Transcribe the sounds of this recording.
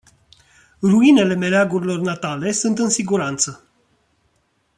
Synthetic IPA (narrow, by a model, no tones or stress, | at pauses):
ruine̞le̞me̞ɾeaɡuɾilo̞rnat̪ale̞sunt̪ɨnsiɡuɾant̪sə